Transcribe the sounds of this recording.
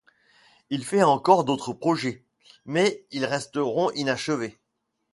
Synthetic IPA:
ilfɛɑ̃kɔʁd̪ot̪χəpχɔʒɛ | mɛilʁɛst̪əʁɔ̃ʔinaʃəve

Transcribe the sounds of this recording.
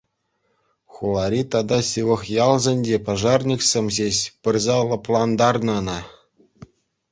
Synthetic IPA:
χulˠɑɾʲit̪ɑd̪ɑsʲɯʋɤ̆χjɑlˠzʲĕnʲdʲepɑʐɑrnʲiksʲĕmʲʑeɕʲpʲɘ̆rʲzɑlˠɤ̆plˠɑnd̪ɑrnɤ̆nɑ

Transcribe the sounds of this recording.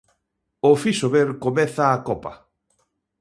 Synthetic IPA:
ofisoβeɾkomɛθaːkɔpɐ

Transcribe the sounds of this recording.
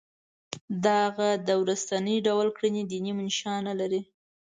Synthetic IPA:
d̪aɣad̪əwɾast̪anəjɖawlkɽinid̪inimɪnʃɑnalaɾi

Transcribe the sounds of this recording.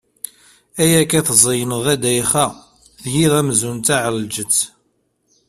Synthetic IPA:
æjækæθzˤəjənəʁæd̪æjχæ | θjiðæmzunt̪aʕəlld͡ʒət͡sː

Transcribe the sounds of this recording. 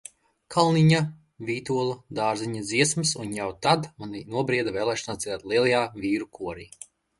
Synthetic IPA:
kʰalˠniɲa | vʲiːt̪uɔlˠud̪aːɾziɲad̪ziɛsmɨsunjawt̪ad̪maninuɔbɾiɛd̪avɛːlˠɛːʃɔnaːid̪aːt̪lˠiɛlˠajaːvʲiːɾukuɔɾiː

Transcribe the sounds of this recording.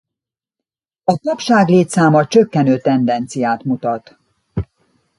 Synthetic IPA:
ɒt̪ɒpʃaːɡleːt̪saːmɒt͡ʃøkːɛnøːt̪ɛnd̪ɛnt̪sijaːt̪mut̪ɒt̪

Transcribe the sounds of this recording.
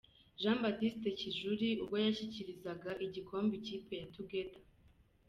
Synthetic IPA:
ʒãːmbatiste̞ciʒuɾiubɡojaɕiciɾizaɡaʔiɟikʰo̞ːmbiciːpe̞jatuɡe̞tḁ

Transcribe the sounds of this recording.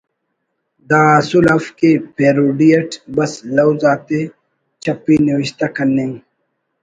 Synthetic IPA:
d̪aːsulɐfkepeːɾuːɖijɐʈbɐslɐwzaːt̪e | t͡ɕɐpːiniwiɕt̪akɐnːẽ

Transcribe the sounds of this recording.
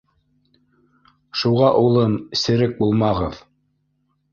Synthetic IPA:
ʃuʁɑʔulˠɤmɘsɘ̆ɾɘk̚bulˠmɑʁɤð

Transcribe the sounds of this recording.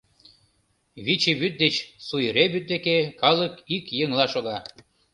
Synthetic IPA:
βit͡ɕeβyt̪̚d̪et͡ɕsujɾeβyt̪̚d̪ekekɑlˠɤkikjeŋlˠɑʃoɣɑ

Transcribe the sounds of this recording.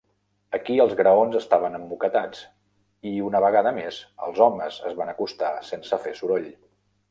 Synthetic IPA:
əkiəlˠzɣɾəonzəst̪aβ̞ənəmbukət̪at͡s | iunəβəɣ̞aðəmez̥ə̰lˠzɔməzə̰zβanəkust̪asensəfesuɾoʎ

